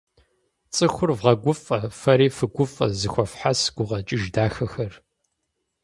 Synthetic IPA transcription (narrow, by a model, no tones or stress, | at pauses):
t͡sʼɨxʷʊrvʁɐɡʷʊfʼɐfɐɾiːfɨɡʷʊfʼɐ̰zɨxʷɔfħasɡ̥ʷʊʁɐt͡ʃʼɪʒdaːxɐxɐr